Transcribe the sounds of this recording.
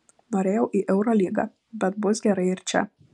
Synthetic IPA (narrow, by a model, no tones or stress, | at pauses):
noːɾʲeːjɛʊʔiːʔɛʊɾoːlʲiːɡɑ̰ | bʲɛt̪̚bʊsɡʲɛɾɐɪɪɾʲt͡ʃʲɛ̰